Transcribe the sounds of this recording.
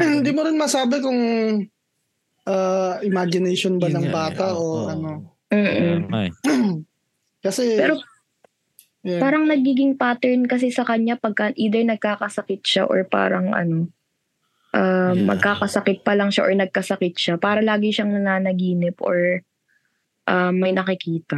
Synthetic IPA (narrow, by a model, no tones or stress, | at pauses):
hɪnd̪iːmʊɾɪnmɐsaːbɛkʊŋ | ʔaːʔɪmad͡ʒɪnɛjʃonbɐlɐŋbaːt̪ɐʔoʔɐno̞ | m̩ːʔ | kɐsɛpɛːɾo | jpaːɾɐŋnɐɡiːɡɪŋpaːt̪ɛɹnkɐs̬ɛsɐkɐɲapɐɡ̚kɐʔiːd̪ɛɹnɐɡ̚kaːkɐsɐkɪt̪̚ʃaʔo̰ɹpa̰ːɾɐŋʔɐ̰no̞ | ʔaːmːɐ̰ɡ̚kaːkɐsɐkɪt̪̚pɐlɐŋʃaʔoɹnɐɡ̚kɐsɐkɪt̪̚ʃapaːɾɐlaːɡɪʃaŋnɐnaːnɐɡiːnɪpʔoɹ | ʔamːɐjnɐkɪkiːt̪ɐ